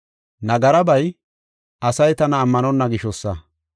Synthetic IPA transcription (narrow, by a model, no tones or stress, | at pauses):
nɐɡɐɾɐbɐj | ʔɐsɐjt̪ɐnɐːmːɐnɔnːɐɡɪʃɔsːɐ̰